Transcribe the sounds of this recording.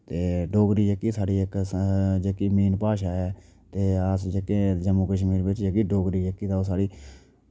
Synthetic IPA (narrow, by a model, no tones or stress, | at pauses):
t̪eːɖoːɡɾiːd͡ʒəkːiːsaːɽiːɪkd͡ʒəkiːmiːnpaːʃaːɛː | t̪eːəsd͡ʒəkːẽːd͡ʒəmuːkəʃ̬miːɾbɪt͡ʃd͡ʒəkiːɖoːɡɾiːd͡ʒəkːiːt̪aːoːsaːɽiː